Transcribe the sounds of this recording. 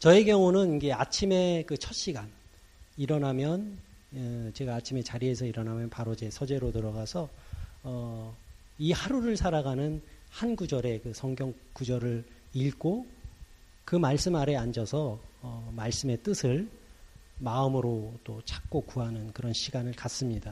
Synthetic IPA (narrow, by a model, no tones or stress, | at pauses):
t͡ɕʌeɡjʌŋunɯnid͡ʑe̞at͡ɕʰime̞kɯt͡ɕʰʌt̚ɕ͈iɡan | iɾʌnamjʌn | t͡ɕe̞ɡaːt͡ɕʰime̞t͡ɕaɾie̞sʰʌiɾʌnamjʌnpaɾod͡ʑe̞sʰʌd͡ʑe̞ɾotɯɾʌɣasʰʌʌ | ihaɾuɾɯɭsʰaɾaɡanɯnhanɡud͡ʑʌɾe̞kɯsʰʌŋɡjʌŋk͈ud͡ʑʌɾɯɾiɭɡo | kɯmaɭs͈ɯmaɾe̞and͡ʑʌsʰʌːmaɭs͈ɯme̞t͈ɯsʰɯɭ | maɯmɯɾot͈ot͡ɕʰḁk̚k͈okuɦanɯnkɯɾʌnɕʰiɡanɯɭkas͈ɯmɲida